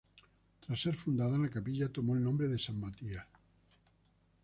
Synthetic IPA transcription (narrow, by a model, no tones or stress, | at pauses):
t̪ɾasːeɾfund̪aðanakapiʎat̪omoelnõmbɾeðesammat̪ia